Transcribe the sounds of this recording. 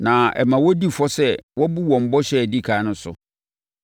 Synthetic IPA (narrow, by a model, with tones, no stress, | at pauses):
nã˨ɛ̰˨mã˨wɔ˦di˦fɔ˦sɛ˦wɔ˦bu˦wɔ̃˨m̩˦bɔ˦ɕɛ˦˨di˦˨kʰaː˨˦nʊ̃˦sʊ̰˨